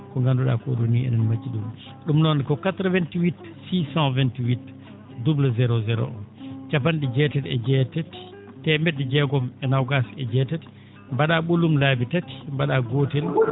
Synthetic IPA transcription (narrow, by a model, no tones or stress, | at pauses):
kɔŋɡanduɗa̰kɔ̰ɗoniɛ̰nɛnmad͡ʒiɗum | ɗumnɔnkɔkatɾəvɛntiwit | sisãvɛntiwit | dublazɛɾɔzɛɾɔ̰ʔɔnt͡ʃapanɗid͡ʒɛtɛtɛd͡ʒɛtɛt | tːɛmɛdɛd͡ʒɛɡɔmɛnawɡasɛd͡ʒɛtɛt | mbaɗaɓulumlabitati̥mbaɗaɡotɛl